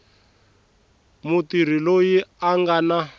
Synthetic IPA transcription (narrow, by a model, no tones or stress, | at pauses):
mutiɾ̤ilojiaŋɡana